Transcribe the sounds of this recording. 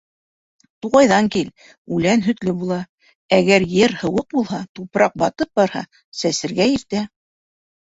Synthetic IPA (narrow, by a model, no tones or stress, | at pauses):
t̪uʁɑjðɑŋkil | ʉlænɦɵ̆t̪lɘbulˠɑ | æɡæɾjɘɾhɤ̆wɤq̚bulˠɦɑt̪upɾɑq̚bɑt̪ɤp̚bɑɾhɑ̰ | sæsɘ̆ɾɡæiɾt̪æ